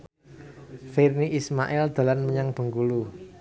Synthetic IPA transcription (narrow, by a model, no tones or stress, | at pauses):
firniʔismaʔɛld̪̥a̤lanməɲaŋb̥ə̤ŋɡulu